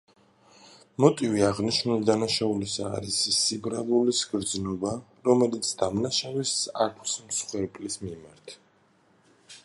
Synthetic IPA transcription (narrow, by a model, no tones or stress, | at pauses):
mɔt̪ʼiviaʁniʃnulid̪anaʃaulisa̰ːɾisːibɾavulisɡɾd̪znɔba | ɾɔmɛlit̪sʰd̪amnaʃavisakʰsmsχwɛɾpʼlismimaɾt̪ʰ